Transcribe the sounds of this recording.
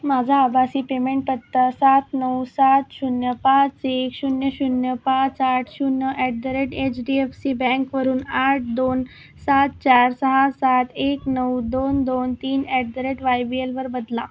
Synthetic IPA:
mad͡zʱaːbʱasiːpemeɳʈ̚pət̪ːasat̪nəwsat̪ɕunjəpãt͡sekɕunjəɕunjəpat͡saʈʰɕunjəʔɛʈ̚d̪əɾeʈet͡ɕɖiefsibɛ̃ŋkʋəɾuːnaʈ̚ʰd̪on | sat̪̚t͡ɕaɾsəɦasat̪ʰeknəwd̪ond̪ont̪iːnɛʈ̚d̪əɾeʈʋajbielʋəɾbəd̪la

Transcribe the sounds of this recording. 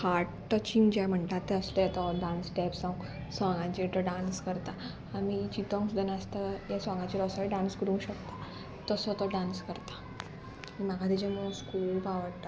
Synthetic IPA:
haɾʈʈət͡ɕiŋd͡ʑajm̤əɳʈ̪at̪ːɛəslejɛt̪ɔɖãnsɖɛpsãũ | sɔ̃ŋɡãt͡ɕeʈəɖãnskəɾt̪aː | mit͡ɕit̪ɔŋɡsd̪ənəst̪ajasɔ̃ŋɡãt͡ɕiɾɔsaiɖãnskəɾũɕəkt̪a | t̪əsɔt̪ɔɖãnskəɾt̪ḁ | nimaɡat̪id͡ʑeməũskulpaʋəɽʈ̪a

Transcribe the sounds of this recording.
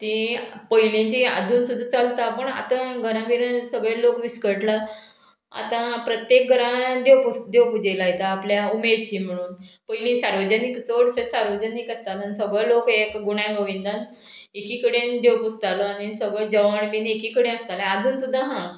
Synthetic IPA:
t̪ĩ | pəjlĩt͡ɕia̰d͡zuːnsud̪ʱːat͡salt̪apəɳa̰t̪ãɡʱəɾãʋiɾənsəɡɭelokʋiskəɾʈla | a̰t̪ãpɾət̪jek̚ɡʱəɾãd̪ewpust̪d̪ewpud͡ʑelaɦjt̪aːpljaumeɾt͡ɕiːm̤əɽ̃uːnpəjlĩsaɾʋəd͡ʑənikt͡soɽsəsaɾʋəd͡ʑənikəst̪at̪ansəɡɭəlokekɡuɳ̃ãɡəʋind̪an | ekikəɽend̪ewpust̪aləanisəɡɭəd͡ʑəʋəɳminekikəɽẽəst̪alaad͡zuːnsud̪ʱːãɦã

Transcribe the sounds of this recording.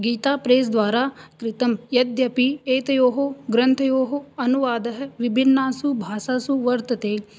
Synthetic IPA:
ɡiːt̪aːpɾeːs̬d̪ʋaːɾaːkɾɪt̪ɐmjɐd̪jɐpieːt̪ɐjoːɦoɡɾɐ̃nt̪ʰjoːɦoɐnuʋaːd̪ɐɦʋɪbʱɪnːaːsubʱaːsaːsuʋɐɾt̪ɐt̪eː

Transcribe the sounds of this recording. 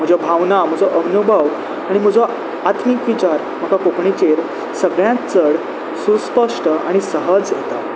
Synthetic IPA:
m̤əd͡ʑɔbʱaʋnam̤əd͡zɔʔəʋnubʱəʋ | aɽ̃im̤əd͡zɔ | at̪ʰmikʋit͡ɕaɾ | m̤əkakokɳit͡ɕeɾ | səɡɭjãt͡səɽ | suspəʂʈəa̰ɽ̃isəɦəd͡zjet̪a̰

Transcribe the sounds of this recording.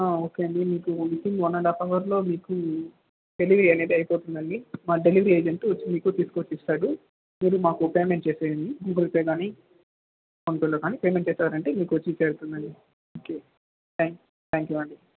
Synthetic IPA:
aːo̞ːke̞ːɐɳɖimiːkumiʈ̪iŋɡɔnːɐɖapɐʋɐɾlo̞ːmiːku | ɖ̥e̞liʋɾiɐneːd̪iɐjpoːt̪und̪ɐnːimaːɖe̞liʋɐɾieːd͡ʒeɳʈot͡ʃːimiːkut̪iːsu̥kot͡ʃːist̪aːɽu | miːɾumaːkupe̞ːmeɳʈ̚t͡ʃeːseːɐɳɖiɡuɡuɾipɐjɡaːni | konpeloɡaːniːpe̞ːmeɳʈ̚t͡ʃeːsaːɾɐɳʈe̞ːmiːkuʋɐt͡ʃːit͡ʃeːɾut̪und̪ɐɳːi | oːke̞ː | t̪aːŋ | t̪ʰaːŋkjuɐɳɖi

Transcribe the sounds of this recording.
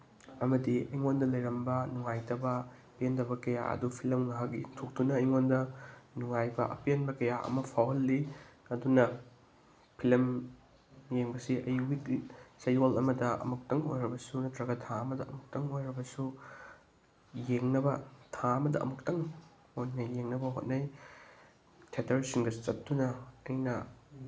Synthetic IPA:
ɐmɐdiɐjŋondɐlɐjɾɐmbɐnuŋajtɐbɐ | pendɐbɐkɐja̰ɐ̰dupʰilɐmŋaɦak̚ɡitʰok̚dunɐiŋondɐnuŋajbɐʔɐ̰penbɐkɐjaʔɐ̰mɐpʰawɐlːiɐdunɐ | pʰilɐm | jeŋbɐsiʔɐjuɡiɡisɐjolɐmɐdɐɐ̰muk̚tɐŋojɾɐbɐsunɐtɾɐɡɐtʰaɐmɐdɐʔɐmuk̚tɐŋojɾɐbɐsu | jeŋnɐbɐtʰaɐmɐdɐ̰ʔɐ̰muktɐŋ | hot̚nɐjːeŋnɐbɐɦo̰t̚nɐj | tʰetʰɐɾsiŋɡɐt͡ʃɐtːunɐɐjnɐ

